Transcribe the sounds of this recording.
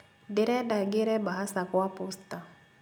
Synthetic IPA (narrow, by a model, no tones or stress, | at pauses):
dɪɾɛdaɡɪɾɛbaɦasakwapɔsta